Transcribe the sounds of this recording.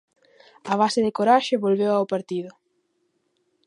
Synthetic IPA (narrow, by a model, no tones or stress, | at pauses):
ɐβ̞asɪðɪkoɾaʃɪβolβewawpaɾt̪iðʊ